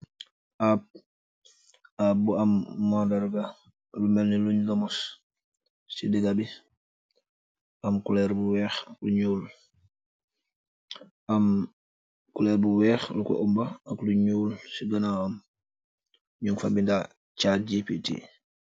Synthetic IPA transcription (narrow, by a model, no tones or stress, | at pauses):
ʔap̚ | abuamːɔdɛɾɡa | lumɛlniluɲɡamɔs | sidiɡabi | ʔamkulɛɾbuwɛːxakluɲuːl | ʔam | kulɛɾbuwɛːxlukɔ̰ʔumbaːkluɲuːlsiɡɐnaam | ɲuŋfabinda | caɟipitḭ